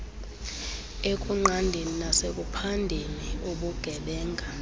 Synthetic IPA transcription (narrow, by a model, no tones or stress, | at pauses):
ekʼuŋ͡ǃʱandʱeninasek̬ʼupʰandʱeniuɓuɡ̥ʱɛɓɛːŋɡʱa